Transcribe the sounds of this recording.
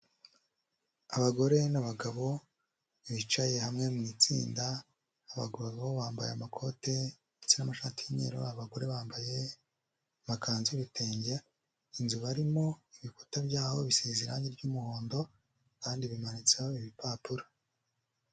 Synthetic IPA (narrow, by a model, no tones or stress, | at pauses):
aβaɡo̞ɾe̞naβaɡaβo̞ | βit͡ʃaje̞hamŋe̞mŋit͡sḭːndaː | βa̰ɡoβaoβaːmba̰jeamakʰo̞te̞ | et͡senamaʃaːtijiɲḛːɾo̰aβaɡo̞ɾe̞βaːmbaje̞ | makaːnzuβitʰeːɲɟe | inzuβaɾimo̞iβiku̥tabɟaːho̞βisezeɾaɲiɾɟuːmuho̞ːndo̞ | kaːndiβimanit͡sehoiβipaːpuɾḁ